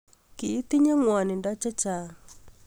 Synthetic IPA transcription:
kiː˨˦t̪i˦ɲɛ˦ŋwa˨ni˨nda˦t͡ʃɛ˦t͡ʃa˨

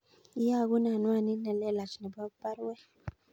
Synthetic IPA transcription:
i˦ja˦˨ku˦na˨nwa˦˨ni˦nɛ˨lɛ˦˨la˨t͡ʃi˨nɛ˨ba˦kba˦ɾwɛ˦

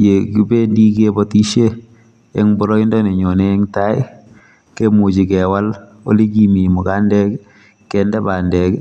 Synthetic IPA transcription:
je˨ki˨be˦ndi˦ke˦bɔ˦ti˦ʃe˦ | ɛ̰˦ŋbɔ˦ɾɔ˦i˦ndɔ˦ne˨ɲɔ˨ne˦ŋta˦ɪ | ke˦mu˨t͡ʃi˨kɛ˨wa˦l | o̰˦li˦ki˨mi˨mʊ˨ka˦ndɛ˦k | kɛndɛ˦ba˨ndɛ˨k

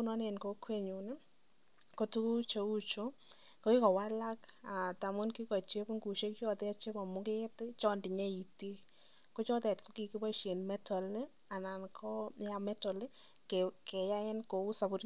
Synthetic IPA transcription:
ʊ˦nɔ˦ne˨nko˦kwe˦ɲu˨nɛ˦ | ko˦tu˦ku˦t͡ʃo˨u˦t͡ʃo˦ | ko˦i˦kɔ˨wa˦la˦ka˨ta˨mʊ˦nki˦kɔ˨t͡ʃe˦bŋɡu˨ʃe˦kt͡ʃɔ˦tɛ˦t͡ʃe˦bɔ˨mʊ˦kɪ˦tt͡ʃɔ˦ndi˨ɲe˦i˨ti˦ | ko˦t͡ʃɔ˦tɛ˨tko˦ki˨ki˦bɔ˦ʃe˨nmɛ˦tɔ˨le˦ | a˨na˨nkʰɔ˦a˨mɛ˦tɔ˨le˦ | ke˨kɛ˨ja˦ɪ˦nko˨u˦sa˨bʊ˦t

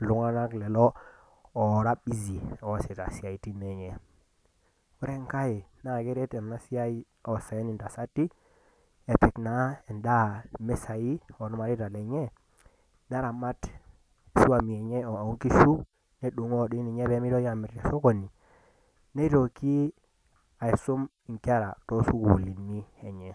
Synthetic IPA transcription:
lu˨˦ŋa˦na˦klɛ˨lɔː˦˨ | ɾa˦bi˦zi˨ɔ˨sɛ˨ta̰˨si˨a˨i˨ti˦ne˨ɲɛ˦˨ | u˦ɾe˦ŋka˦je˨na˨ɡɛ˦ɾɛ˦tɛ˨n˨na˦si˦a˦i˦ | ɔ˨sa˨ɛ˦ni˨nda˨sa˦tːi˦ | e˨pɛ˨kna˨˦ɛ˨nda˦mɛ˦sa˨i˦ɔ˨nu˦ma˨ɾi˦ta˨le˨ɲe˦ | na˦ɾa˨ma˦t | su˦a˨mi˨e˨ɲe˦o˨a˨u˦ŋki˦su˦ | ne˦du˨ŋɔ˦˨di˦ni˨ɲe˦be˦mi˦dɔ˦ja˨mɪ˨ɾtḛ˨so˦ko˨ni˨ | ne˦to˨ki˦ | a˨i˨su˦m | i˨ŋka˦ɾa̰˨to˦su˦ku˨li˨nːi˦e˨ɲe˨

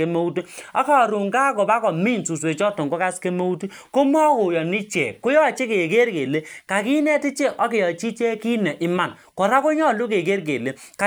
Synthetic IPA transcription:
e˦mo˦u˦ti˦a˦ka˦˨ɾu˨ŋka˦kɔ˨ba˦kɔ˨mi˦˨nsu˨s̬we˨t͡ʃɔ˦tɔ˨ŋko˦ka˦ske˦mo˦u˦ti˦ | ko˦mo˦a˦kʊ˨jɔ˨ni˦t͡ʃe˨kʊ˦jɔ˦a˨t͡ʃe˦ke˨ke˦ɾke˨le˦ka˨ki˦nɛ˦ti˦t͡ʃe˦ʔɔ˦ke˨jɔ˨t͡ʃi˦t͡ʃe˦ki˦ne˨ʔɪ˦ma˨n | kɔ˨ɾa˦ko˦ɲɔ˦˨lu˦ke˨ke˦ɾk̬e˨le˨˦ka˨

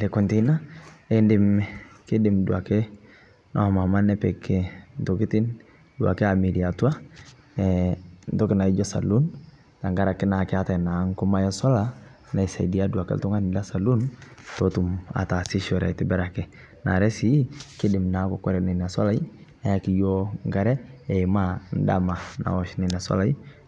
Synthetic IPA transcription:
lɛ˨kɔ˨nte˦na˦e˦ndɪ˨mkɪ˦dɪ˨mdu˨a˨kɛ˦ | nʔɔ̰˦˨ma˨ma˦nɛ˦pɛ˨kːɛ˦nto˨ki˦ti˦n | du˨a̰˨kɛ˦a˨mi˨di˨a˨tu˦a˦ | ɛntɔ˦kɪ˦na˨i˦d͡ʒɔ˦sa̰˨lu˦n | ta˨ŋɡa˦ɾa˨kːɛ˦na˨kɛ˦a˦ta˨na˨˦ŋkɔ˦ma˦ja˦sɔ˦la˦ | na˨i˨sa˨di˨a˦du˨a˨kɛ̰ltu˦ŋa˦ni˨la˦sa˨lu˦ntɔtu˨ma̰˨ta˨si˦ʃɔ˨ɾa̰˨tɪ˨bɛ˦ɾa˨kɛ˨ | na̰˨ɾɛ˦si˦kɪ˦dɪ˨mna˨˦kɔ˨kɔ˦ɾɛ˨nɛ˨na˨sɔ̰˦la˦ji˦ | na˦a˨ki˦jɔ˦ŋɡa˨ɾɛ˦ɛ˨i˨ma˦n˦da̰˦ma˨na̰˨ɔ˨ʃnɛ˨na˨sɔ̰˦la˦i˦

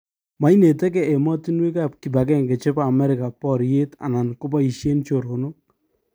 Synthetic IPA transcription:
ma˨i˦ne˨tɛ˦ke˦e˨mɔ˦ti˦nwe˦ka˦˨ki˨ba˨ɡɛ˦˨ŋke˨t͡ʃɪ˦paː˦˨mɛ˦ɾɪ˨ka˨pɔ˦˨ɾje˦ta̰˨na˨nko˦p̬a˦i˨ʃje˦nt͡ʃo˨ɾo˨no˦

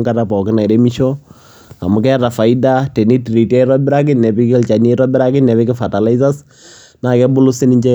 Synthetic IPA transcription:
ŋka˦ɾa˨pɔ˨kɪ˦na˨i˨ɾe˦mi˦ʃo˦ | a̰˨mʊ˨kɛ˦ra˨fa˨i˦da˦te˨ni˦ti˨ɾi˨tɛ˦ɾɔ˦bɪ˦ɾa˦k̬ɪ˦nnɛ˨pi˦kɪ˦lt͡ʃa˨ni˦ɾɔ˦bɪ˦ɾa˦kɪ˦nɛ˨βɪ˦kɪ˦fa˨ta˨la˦i˦sa˦s | na˨kɛ˦bʊ˦lʊ˦sɪ˦nɪ˦ɲt͡ʃɛ˦

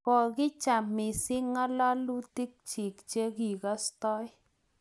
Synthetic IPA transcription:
kɔ˨ɡɪ˦t͡ʃa˨mɪ˨sɪ˦ŋa˦la˦lu˦ti˦k̚t͡ʃɪ˨kt͡ʃe˦ɡi˨ka˦stɔ˦j

